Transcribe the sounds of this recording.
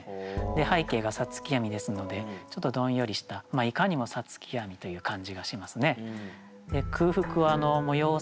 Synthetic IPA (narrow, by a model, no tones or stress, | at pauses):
d̪e̞haike̞ːɡasat͡sɨ̥kʲijamʲid̪e̞sɨno̞d̪e̞t͡ɕo̞t̪ːo̞d̪õ̞ɰ̃jo̞ɾʲiɕi̥t̪amaikaɲ̟imo̞sat͡sɨ̥kʲʰijamʲit̪o̞jɯ̟ːkãɲ̟d͡ʑiɡaɕimasɨne̞ | d̪e̞kʰɯ̟ːɸɯ̟kɯ̟aːno̞mo̞jo̞ː